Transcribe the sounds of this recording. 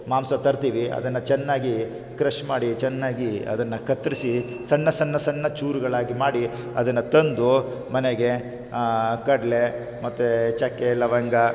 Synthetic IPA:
maːmsɐt̪ɐɾt̪iːʋiʔɐ̰d̪ɐnːɐt͡ʃɛnːaːɡi | kɾɐʃmaːɽit͡ʃɛnːaːɡiɐ̰d̪ɐnːɐkɐt̪ɾisi | sɐnːɐsɐnːɐsɐnːɐt͡ʃuːɾuɡɐɭaːɡimaːɽi | ɐ̰d̪ɐnːɐt̪ɐnd̪u | mɐneɡe̞ | kɐɖle | mɐt̪ːut͡ʃɐkːelɐʋɐŋɡɐ

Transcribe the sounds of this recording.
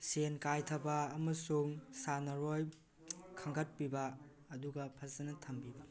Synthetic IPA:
senkajtʰɐbɐːmɐsuŋsanɐɾoj | kʰɐŋɡɐt̚pibɐː | duɡɐpʰɐzɐnɐtʰɐmbibɐ

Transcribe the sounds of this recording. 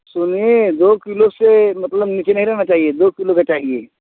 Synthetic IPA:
sʊnied̪oːkilosemɐt̪ləbnit͡ʃenɐɦĩɾɐɦnat͡ʃaːɦied̪oːkilokat͡ʃaːɦieː

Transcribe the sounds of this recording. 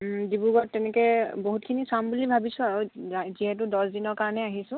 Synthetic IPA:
dibuɡɔtːɛnɛkɛboɦut̚kʰinisambulibʱabisʊ̃aɹoziɦɛt̬ʊdɔsdinɔɹkaɹɔnɛaɦisʊ̃

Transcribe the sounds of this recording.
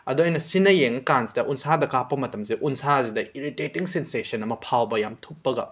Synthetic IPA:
ɐduɐjnɐsinɐjeŋɐkansdɐʔunsadɐkapːɐmɐtɐmseʔunsazidɐiɾitetiŋsensesɐnɐmɐpʰawbɐjamtʰupːɐɡɐ̰

